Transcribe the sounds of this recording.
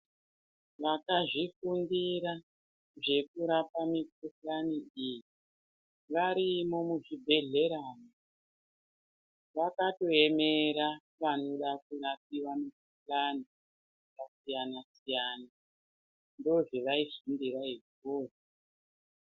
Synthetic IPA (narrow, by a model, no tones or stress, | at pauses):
ʋakaʐifundiɾa | ʐe̞kuɾapamikukaniiji | ʋaɾimo̞muʐibʱe̞ɮe̞ɾaːno | ʋakato̞e̞meɾa | ʋano̞ɗak̚urap̚iwamikukani | kasijanasijaːna | ndoʐeʋaifundiraikoːri